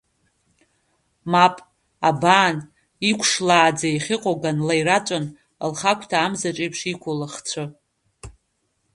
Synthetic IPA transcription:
mapʼ | abaːn | ikʷʰʂlaːd͡zaiχʲɪqʷʼoɡanlajɾat͡ʃʷʼan | lχakʷʰtʰaːmzaʈ͡ʂʼejpʰʂikʷʰolaχt͡sʷʰɨ

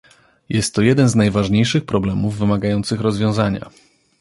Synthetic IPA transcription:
jɛst̪ːɔjɛd̪ɛnznajvaʐɲejʂɘxpɾɔblɛmuvːɘmaɡajɔnt̪sɘxɾɔzvʲjɔ̃w̃zaɲa̰

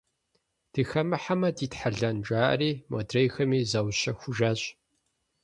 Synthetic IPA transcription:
d̥ɨxɐmɨħamɐdiːtħaɮɐnd͡ʒʼaːʔɐ̰riːmo̰drejxɐmiːzɐwɕɐxʷʊʒaːɕʼ

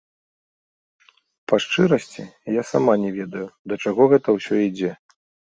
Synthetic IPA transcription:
paʂt͡ʂɨɾɐsʲt͡sʲijasamanʲɛvʲɛd̪ɐjud̪ɐt͡ʂaɣɔɣɛt̪ɐwsʲɔid͡zʲɛ

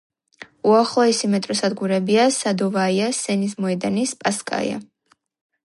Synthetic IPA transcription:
uaχlˠɔɛsimɛt̪ʼɾɔsad̪ɡuɾɛbiasad̪ɔvaiasɛnis̬mɔɛd̪anispʼaskʼa̰ḭa̰

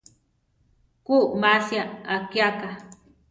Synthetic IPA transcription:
kumasjaakjaka

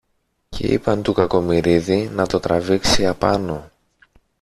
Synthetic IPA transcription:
ce̞̰ḭpɐnt̪ukɐko̞miɾiðinɐt̪o̞t̪ɾɐviksiɐpɐno̞

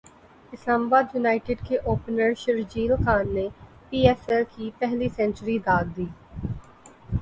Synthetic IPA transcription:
ɪslaːmaːbaːd̪jʊnaːɪʈɪɖkeʔoːpnəɾʃɪɾd͡ʒiːlxaːnːe | piːɛːsɛlkipɛɦlisɛ̃nt͡ʃɾid̪aːɡ̚d̪iː

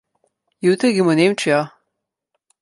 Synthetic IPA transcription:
jut̪ɾiɡimɔnemt͡ʃija

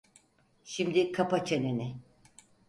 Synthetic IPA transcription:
ʃimd̪ikʰapat͡ʃʰenenɪ

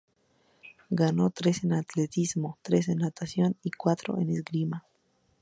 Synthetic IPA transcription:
ɡano̞t̪ɾe̞se̞nat̪let̪izmo̞t̪ɾe̞s̬enːat̪asjo̞nikwat̪ɾo̰ʔḛnezɡɾima

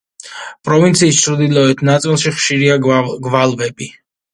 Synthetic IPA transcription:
pʼɾɔvint̪sʰiːst͡ʃʰɾd̪ilɔɛt̪ʰnat̪sʼilˠʃiχʃiɾiaɡvalˠvɛbi

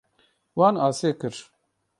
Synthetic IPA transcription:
waːnaːseːkɨɾ

